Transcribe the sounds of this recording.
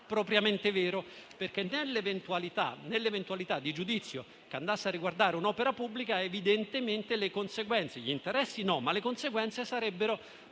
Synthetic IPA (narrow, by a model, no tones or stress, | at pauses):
pɾopɾjament̪evɛːɾoperk̟enːelːevent̪ualit̪a̰nelːevent̪ualit̪ad̪ːid͡ʒud̪it̪sːjo | keand̪asːearːiɡward̪aːɾeunɔːpeɾapubːlikaevid̪ent̪ement̪elekonseɡwɛnt̪seʎint̪eɾɛsːinɔmːalekonseɡwɛnt̪sesaɾɛbːeɾo